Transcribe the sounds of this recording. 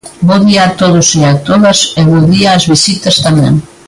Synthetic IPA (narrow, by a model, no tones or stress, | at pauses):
boðiat̪oðʊsiat̪oðɐseβoðiaːzβisit̪ɐst̪amḛ̃ŋ